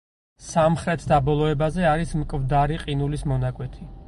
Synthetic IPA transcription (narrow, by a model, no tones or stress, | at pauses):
samχɾɛt̪ʰd̪abɔlˠɔɛbazɛaɾismkʼvd̪aɾiqʼinulismɔnakʼwɛt̪ʰi